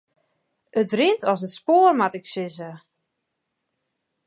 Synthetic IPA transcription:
ətrɪntʰɔs̬ətspoːrmatɪksɪzə

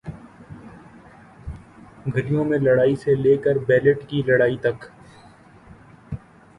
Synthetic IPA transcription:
ɡʱɐɾijõmẽlɐɽaːiseleːkəɾbɛːləʈkilɐɽaːit̪ɐk

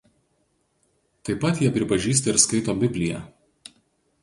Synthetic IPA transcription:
t̪ɐɪpɐt̪jiɛpʲɾʲɪpɐʒʲiːs̬t̪ɐɪɾskɐɪt̪oːbʲɪbʲlʲɪjɛ̰

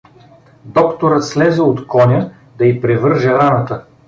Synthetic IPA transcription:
d̪ɔkt̪oɾət̪slɛzɛot̪kɔnʲə | d̪ɐipɾɛvɤɾʒɛɾanət̪ə

